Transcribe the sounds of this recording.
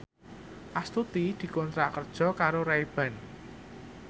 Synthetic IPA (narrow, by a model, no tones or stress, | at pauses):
ʔast̪ut̪id̪̥i̤kɔnt̪ɾakərd̥ʒ̥ɔ̤kaɾoɾaib̥ä̤n